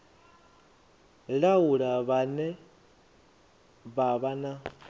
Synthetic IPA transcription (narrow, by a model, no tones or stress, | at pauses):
ɺauɺaβanɛ | βaβana